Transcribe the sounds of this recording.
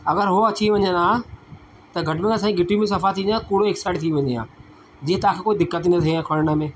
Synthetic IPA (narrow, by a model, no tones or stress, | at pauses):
ɐɡəɾɦʊɐt͡ɕiʋɐ̃ɲə̃naː | t̪ɐɡʱɐʈmẽɡas̬ãːĩɡʱɪʈimẽs̬ɐfat̪ʰĩkuːɽoeːksaɪʈt̪ʰiʋɐ̃ɲeã̰ː | d͡ʑiːɦə̃t̪ɐãkʰeːkoːid̪ɪkːət̪̬ĩnd̪t̪ʰiãkʰɐɽnəmẽː